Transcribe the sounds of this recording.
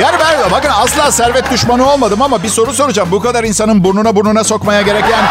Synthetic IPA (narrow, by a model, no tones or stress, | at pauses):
jaːnibænbakɯnasllˠaːsæɾvɛt̪̚d̪yʃmanɯo̞lˠmad̪ɯmamabiso̞ɾus̬o̞ɾud͡ʒambukad̪aɾinsanɯnbuɾnunabuɾnunaso̞kmajaɟe̞ɾɛcjaːn